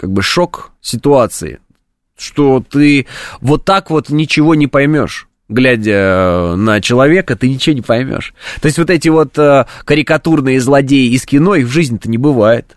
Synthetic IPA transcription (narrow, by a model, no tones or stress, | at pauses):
kaɡ̚bɨʂo̞ksʲɪt̪ʊat̪sɨ̰ɪ̰ | ʂt̪o̞t̪ɨvo̞t̪ːakvo̞t̪nʲɪt͡ɕɪvo̞nʲɪpɐjmʲo̞̰ʂ | ɡlʲædʲənət͡ɕɪlˠɐvʲe̞kət̪ɨnʲɪt͡ɕɪvonʲɪpɐjmʲo̰ʂt̪o̞ɪstʲvo̞t̪ɛtʲɪvo̞t̪əkəɾʲɪkɐt̪urnɨjəzlˠɐdʲejɪːskʲɪno̞ixvʐɨzʲnʲɛt̪ənʲɪbɨvajɪt̪